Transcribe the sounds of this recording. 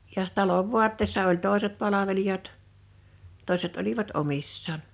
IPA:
jɑh̆ tɑloʋ ʋuɑtːeːsːɑ olʲ toˑeset pɑlɑʋelijɑt toˑe̝set oliʋɑt omisːɑːn

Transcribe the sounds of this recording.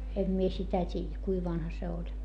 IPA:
em mie sitæ tʲiːjæ kui ʋɑnhɑ se olʲ

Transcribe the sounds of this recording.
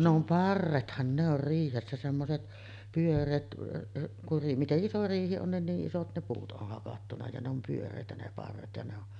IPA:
ne om pɑrːethɑn ne or riːhesːæ semːoset pyørˑeːt kur ri miteʔ ʔiso riːhi on nin niːʔ ʔisot ne puːt ʔoh hɑkɑtːunɑ jɑ ne om pyørˑeˑitæ ne pɑrːet jɑ ne on

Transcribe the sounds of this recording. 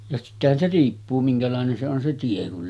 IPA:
jɑ sitːehæn se riːpːuː miŋkælɑˑenen se on se tie kul

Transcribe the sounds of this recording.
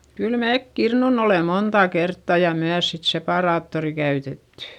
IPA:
kyl meːk kirnun ole montɑˑ kertːɑ jɑ myæs sit sepɑˑrɑːtːori kæytetːẙ

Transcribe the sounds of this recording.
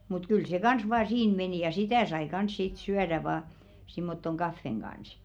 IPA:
mut kyl se kɑns ʋɑː siːn meniˑ jɑ sitæˑ sɑi kɑns sit syæɾæ ʋɑː simːotːoŋ ɡ̊ɑfːeŋ ɡ̊ɑns

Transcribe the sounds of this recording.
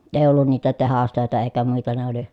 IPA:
eː olːun niːtæ tehɑstøˑetæ eˑi̯kæ muitɑ ne oli

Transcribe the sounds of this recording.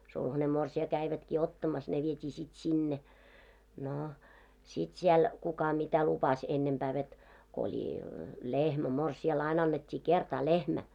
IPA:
sulhɑne morsiɑ kæiʋætkiː otːɑmɑs ne ʋietʲiː sit sinːe noˑ sit siɛl kukɑ mitæ lupɑs enːempæː ʋet ko olʲi lehmæ morsiɑl ɑin ɑnːetʲːiː kertɑː lehmæ

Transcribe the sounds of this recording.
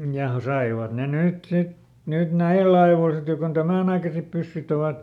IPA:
jɑ sɑiʋɑt ne nyt sit nyt næilː ɑiʋoˑl sit jo kon tæmæˑnɑikɑsep pysːyt oʋɑt

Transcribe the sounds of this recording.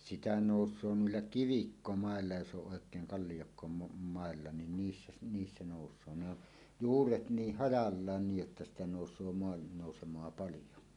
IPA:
sitæ noˑusˑoː nuilːɑ kiʋikːomɑelːɑ jos oʔ ʔoˑekˑeːŋ kɑlːijokːomo mɑˑelːɑ nin niːsːæ si niːsːæ noˑusˑoː ne o juːret niːh hɑjɑlːɑːn niːj jotːɑ sitæ noˑusˑoː moɑnːoˑusemˑoɑ pɑlijo

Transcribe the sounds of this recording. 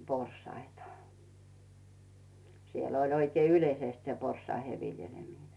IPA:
porsɑitɑ siel olʲ oikei ylʲeisest se porsˑɑihe ʋi̞ljelʲemine

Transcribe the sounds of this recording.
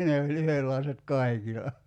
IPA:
ne olʲ yhelːɑiset kɑi̞kilɑ

